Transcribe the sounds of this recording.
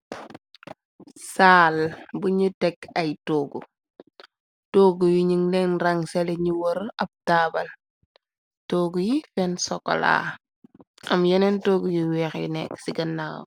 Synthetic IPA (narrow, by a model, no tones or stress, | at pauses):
saːlbuɲutɛkɐjtoːɡṵ | toːɡujuɲiŋlɛnraŋsɛlɛɲuwɔɾɐb̚tabɐl | toːɡujifɛnsɔkːɔ̰la̰ | ʔɐmjɔnɛntoːɡujiwɛːxjḭnɛ̰ksiɡɐnːawo̰